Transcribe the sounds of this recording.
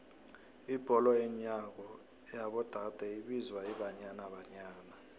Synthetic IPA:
ib̥ʱɔlɔjɛɲak̬ɔ | jaɓɔd̥ʱad̥ʱɛiɓizwaiɓaɲanaɓaɲaːna

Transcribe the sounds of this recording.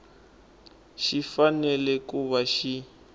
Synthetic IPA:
ʃifanɛlɛkuβaʃi

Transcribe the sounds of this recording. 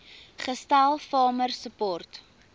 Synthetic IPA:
χəstalˠfɑːmərsəpɔrt

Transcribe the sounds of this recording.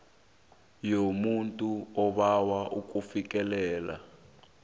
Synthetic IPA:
jomuntʼuɔɓawaʔuk̬ʼufik̬ʼɛlɛːla̰

